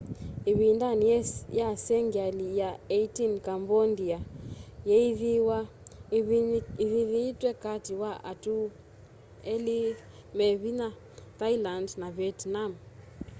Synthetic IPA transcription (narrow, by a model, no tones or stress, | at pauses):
iβindaniɛjasɛŋɡalijaeitinkambɔndiajɛiðiwa | iðiðitwɛkatiwaʔa̰tu | ɛli | mɛβina | tailandnaβiɛtnam